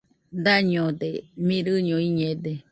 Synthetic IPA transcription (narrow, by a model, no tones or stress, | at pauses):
d̪aɲõd̪emĩɾɨɲõiɲẽd̪e